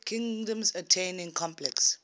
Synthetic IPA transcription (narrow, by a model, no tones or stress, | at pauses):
kʰĩŋdə̃msətʰẽnɪ̃ŋkʰɔ̃mplɛks